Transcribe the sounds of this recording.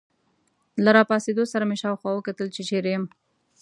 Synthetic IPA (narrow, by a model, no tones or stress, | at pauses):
laɾɑpɑsed̪osaɾameʃɑːwxwɑwəkat̪əlt͡ʃet͡ʃeɾejəm